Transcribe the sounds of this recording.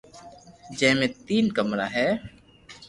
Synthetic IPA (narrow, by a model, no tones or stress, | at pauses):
d͡ʒɛ̃mẽt̪iːnkəmɾaɦɛː